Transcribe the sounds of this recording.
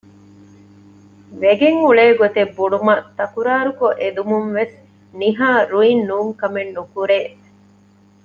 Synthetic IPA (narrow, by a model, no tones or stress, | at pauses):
ʋeɡeŋuɭeːɡot̪ebːuɖumɐt̪ɐkuɾaːɾukoʔed̪umumʋes | niɦaːɾuinːuːŋkɐmenːukuɾeː